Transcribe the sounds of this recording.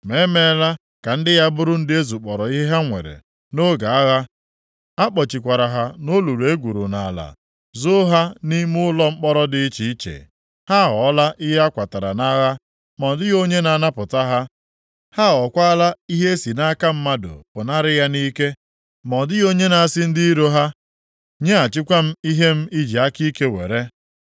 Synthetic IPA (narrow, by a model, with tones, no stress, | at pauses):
me˨˦me˦˨la˦ | ka˨n̩˦dɪ˦ja˦bʊ˦ɾʊ˦n̩˦dɪ˦e˦zu˨k͡pɔ˨ɾɔ˨i˦ɦe˦ɦa˦ŋʷḛ˨ɾḛ˨ | no˦ɡa˨a˦ɣa˦ | a˦k͡pɔ˨t͡ʃi˨kʷa˨ɾa˨ɦa˨no˦lu˨ɾe˦ɡʷu˨ɾu˨na˨a˨la̰˨ | zʊ˦ɦa˦ni˦mʊ˦ʊ˦lɔ˦ŋ͡m̩˦k͡pɔ˦ɾɔ˦dɪ˦t͡ʃi˨˦i˦t͡ʃḛ˨ | ha˦ɦɔ˨˦la˦ʔi˦ɦe˦a˦kʷa˨ta˨ɾa̰˨na˦ɣa˦ | mɔ˨dɪ˦ɣo˦ɲe˦na˨na˦pʊ˨ta˦ɦa˦ | ha˦ɔ˨kʷa˦la˦i˦ɦe˦e˦si˨na˦ka˦m̩˦ma˦dʊ̰˨pʊ˨na˦ɾɪ˦ja˦ni˦ke˦ | mɔ˨dɪ˦ɣo˦ɲe˦na˨a˨sɪ˦n̩˦di˦i˦ɾo˦ɦa˦ | ɲe˦a˨t͡ʃɪ˦kʷa˦m̩˦i˦ɦe˦m̩˦i˦d͡ʒi˨a˦ki˦ke˦wḛ˨ɾe˦